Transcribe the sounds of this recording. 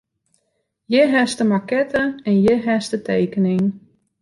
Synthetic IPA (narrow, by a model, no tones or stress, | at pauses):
jəɦɛstəmakɛtʰəɛnjəɦɛstətʰejkənɪŋ